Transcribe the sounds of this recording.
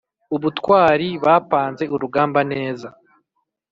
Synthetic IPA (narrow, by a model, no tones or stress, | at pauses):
uβutkwaːɾiβaːpaːnze̞ʔuɾuɡaːmbane̞ːza